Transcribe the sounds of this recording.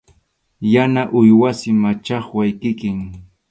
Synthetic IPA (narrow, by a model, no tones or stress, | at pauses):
janaʔʊjwasɪmat͡ʃɑχwajkɪkɪŋ